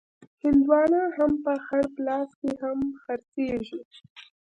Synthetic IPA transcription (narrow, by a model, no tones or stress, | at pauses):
hɪld̪wɑnahampəxaɽplɑskehamxaɾt͡seʒi